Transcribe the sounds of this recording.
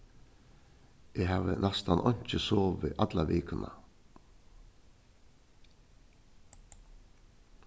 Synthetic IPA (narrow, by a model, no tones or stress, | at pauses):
ɛɦaːʋənɛst̪anʔɔɲ̥t͡ʃəsoːʋɪʔat̪laʋeːkəna̰